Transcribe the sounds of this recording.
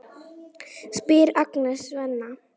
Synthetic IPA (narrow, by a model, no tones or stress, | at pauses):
spɪɾaknɛsvɛnːa